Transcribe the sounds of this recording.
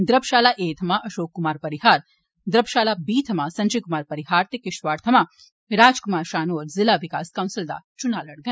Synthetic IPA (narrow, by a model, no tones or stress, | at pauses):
d̪ɾɐbʃaːlaʔeːt̪ʰɐmaʔɐʃoːkːʊmaːɾpɐɾɪɦaːɾ | d̪ɾɐbʃaːlabiːt̪ʰɐmasɐ̃nd͡ʒɐjkʊmaːɾpɐɾɪɦaːɾt̪ekɪʃʋaːɾt̪ʰɐma | ɾaːd͡ʒkʊmaːɾʃaːnoːɾzɪlaːʋɪka̰ːskɐʊ̃nsɪld̪a̰ːt͡ʃʊnaːlɐɽɡɐ